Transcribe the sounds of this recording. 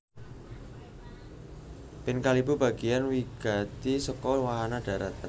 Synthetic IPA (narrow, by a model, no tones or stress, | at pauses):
pɪnkalibuba̤ɡ̥ijanwiɡ̥a̤t̪isɔkɔwaɦanad̥ä̤ɾat̪a